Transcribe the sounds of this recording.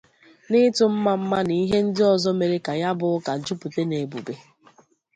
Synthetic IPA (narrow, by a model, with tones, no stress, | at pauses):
nɪ˦tʊ˨m̩˦ma˨m̩˦ma˦ni˨i˦ɦe˦n̩˦dɪ˦ɔ˨zɔ˦me˨ɾe˦ka˨ja˦bʊ˨˦ka˨d͡ʒu˦pu˨te˦ne˨bu˨be˨